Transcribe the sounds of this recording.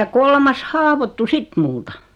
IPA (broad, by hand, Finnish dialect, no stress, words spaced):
jɑ kolmɑs hɑːʋotːu sit multɑ